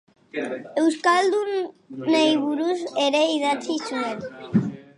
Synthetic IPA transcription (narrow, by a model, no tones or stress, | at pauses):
ewskald̪unejβuɾuseɾejðat͡sisuel